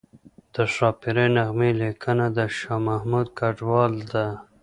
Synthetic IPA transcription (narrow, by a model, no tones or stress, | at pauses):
d̪̥əʂɑːpiɾenaɣmelekʰanad̪əʃɑmahmud̪̚kaɖwɑld̪a